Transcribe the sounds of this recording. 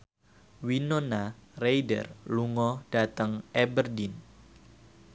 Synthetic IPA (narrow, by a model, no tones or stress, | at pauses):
winonarejdə̰rluŋɔd̥at̪əŋɛbərdin